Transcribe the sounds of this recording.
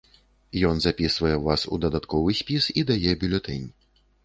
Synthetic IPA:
jɔnzapʲisvɐjɛvasṵd̪ɐd̪at̪kɔvɨsʲpʲisid̪ajɛbʲulʲɛt̪ɛnʲ

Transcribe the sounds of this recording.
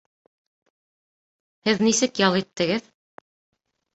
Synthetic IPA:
hɘðnisɘkjɑlˠit̪ːɘ̆ɡɘð

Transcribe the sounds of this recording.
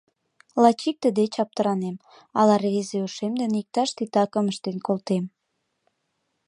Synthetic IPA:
lɑt͡ɕik̚t̪əd̪et͡ɕɑp̚t̪əɾɑnem | ɑlɑrezeuʃemd̪enik̚t̪ɑʃt̪it̪ɑkə̆məʃt̪enkolt̪em

